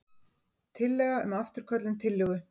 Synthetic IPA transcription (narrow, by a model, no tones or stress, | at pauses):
t̪ʰɪlːɛːɣaʏmaft̪ʏɾ̥kʰœt̪lʏnt̪ʰɪlːʏɣʏ